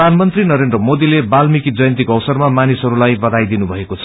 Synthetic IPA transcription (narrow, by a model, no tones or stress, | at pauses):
d̪ʱanmʌnt̪rinʌɾend̪rʌmod̪ilebalmikid͡zʌjʌ̃nt̪̬ikoʌwsʌrmamanisɦʌɾulajbʌd̪ajd̪inubʱʌekot͡sʰʌ